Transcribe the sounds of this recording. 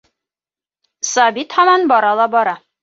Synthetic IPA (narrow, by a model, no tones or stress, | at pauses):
sɒbit̪hɒmɑnbɒɾɑlˠɑbɒɾɑ